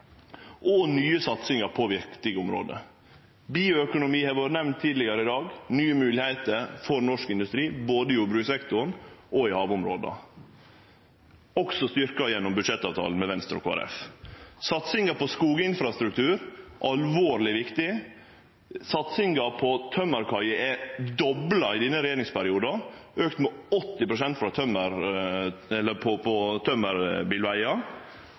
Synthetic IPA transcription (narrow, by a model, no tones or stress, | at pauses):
ʔɔnyːəsɑt̪sɪŋɑəpʰɔʋɪɾkt̪ɪɡəʊmɾo̰ːd̪ə̰ | biːʊœkʊnʊmiːhɛɾʋoːʋəɾnɛmnt̪ʰːiːd̪lɪɡɑɾəɪd̪ɑːɡnyːəmʉːlɪhæɪt̪əɾfɔɾnɔʂkɪnd̪ʉst̪ɾiːboːd̪əɪjubɾʉːksɛkt̪ʊɾɳ̩ɔɪhɑːʋʊmɾo̰ːd̪ə̰ | ɔksɔst̪ʏɾkɑjɛnːɔmbʉd̪ʂɛt̪ːɑːʋt̪ʰɑ̰ːln̩mɛʋɛnst̪ɾɔ̰kʰoːæ̰ɾɛ̰fsɑt̪sɪŋɡɑpɔskuːɡəɪnfɾɑst̪ɾʉkt̪ʰʉːɾʔɑlʋoːɾlɪʋɪkt̪ɪ | sɑt̪sɪŋɡɑpʰɔt̪ʰœmːəɾkʰɑɾəɛd̪ɔblɑɪd̪ɪnːəɾɛjeːɾɪŋspʰæɾɪuːd̪ɑʔøːkt̪mɛɔt̪ːɪpɾʊsɛnt̪fɾɑt̪ʰœməɾ | ɛlːəpʰɔpʰɔt̪ʰœməɾbiːlʋæɪɑ